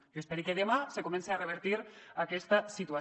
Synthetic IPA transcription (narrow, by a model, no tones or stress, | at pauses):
espeɾikeðemasekomẽnseareβ̞eɾt̪iɾakɛst̪asit̪ua